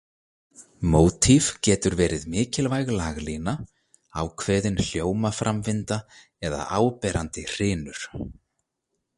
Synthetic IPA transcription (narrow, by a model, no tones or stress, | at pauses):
moːwt̪ʰivcɛːt̪ʏɾvɛːɾɪðmɪːcɪlvajɣlaːɣliːna | a̰wkʰvɛːðɪnl̥joːwmafɾʔamvɪnt̪a | ɛða̰ʔaːwpɛːɾant̪ɪr̥ɪːnʏɾ̥